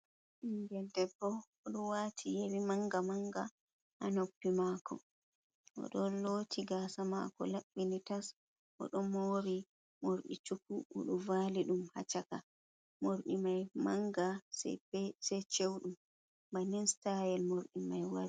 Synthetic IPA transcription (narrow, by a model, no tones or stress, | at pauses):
ʔiŋɡɛldɛbːɔ | ɔɗuwatʰijewimaŋɡamaŋɡa̰ | ʔanopːimakʰɔ̰ | ʔɔ̰ɗɔnloːtʰiɡasama̰kɔ̰laɓːinitas | ʔɔ̰ɗɔmoɾi | moɾɗḭt͡ʃukuʔːɗuvaliɗumha̰t͡ʃaka | moɾɗimajmaŋɡassɛt͡ʃewɗum | bajnɛnstajɛlmoɾɗimajwaɾi